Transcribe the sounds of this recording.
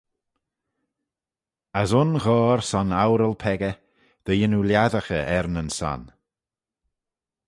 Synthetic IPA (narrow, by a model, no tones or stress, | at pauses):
asʊnɣɔːɾsɔnawɾəlˠpʰɛɡə | ð̥əjɪnuljaðəxəʔɛɾnənsa̰n